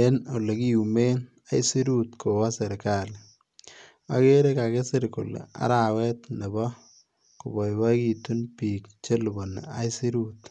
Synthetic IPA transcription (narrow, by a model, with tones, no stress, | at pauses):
e˦no˨le˨ki˦jume˦n | a˦i˦si˦ɾut̪ko˨wa˦se˨ɾkal | a˦ke˦ɾekake˦seɾko˨l̰a̰˦ɾawɛ˦t̪ne˨bɔ˦ | kʊ˨bɔ˨jba˦ki˨t̪unpiːkt͡ʃe˦lubo˨n̰a̰˦jsi˦ɾut̪